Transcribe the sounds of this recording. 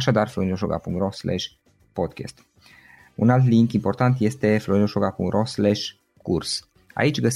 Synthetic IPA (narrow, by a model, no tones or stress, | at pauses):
aʃad̪arfloɾinoʃoɡa̰pṵŋt̪roslɛ̰ʃʲ | pod̪kʰʲḛst̪ | unalt̪̬liŋkimpo̞rt̪ant̪je̞st̪e̞floɾinoʃoɡapṵŋt̪roslɛʃ | kurs | a̰it͡ʃʲɡəs